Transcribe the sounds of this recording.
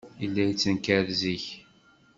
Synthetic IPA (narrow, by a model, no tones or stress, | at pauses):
ilːæjt͡sːənkæɾziç